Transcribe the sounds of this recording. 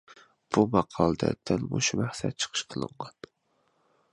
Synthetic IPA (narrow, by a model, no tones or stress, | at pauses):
b̥umɑqʰɑlˠd̪a̰d̪anmo̰ʃamahsat̪̚t͡ʃʰɨ̥qʰɨ̥ʃqʰɨlˠɨ̰ɴɢɑn